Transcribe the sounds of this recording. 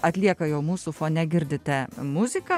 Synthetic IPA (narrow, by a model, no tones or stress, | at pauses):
ɐt̪ʲlʲiɛkɐjɛʊmuːsʊfoːnʲɛɡʲɪɾʲd̪ʲɪt̪ʲɛmʊzʲɪkɐ